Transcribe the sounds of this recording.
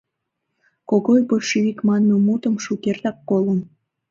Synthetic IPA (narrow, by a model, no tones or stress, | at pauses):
koɣojpoʃiikmɑnːomut̪əmʃukert̪ɑkːolən